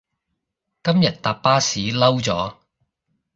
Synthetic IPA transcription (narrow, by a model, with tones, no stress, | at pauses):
kɐ˥mjɐ˨t̚t̪aː˨p̚paː˥siː˨˥lɐ˥wt͡sɔː˨˥